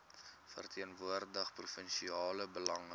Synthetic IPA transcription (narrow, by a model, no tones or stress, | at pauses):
fə̰rtʰiənvuərdəχprufənʃiɑːləbəlɐŋ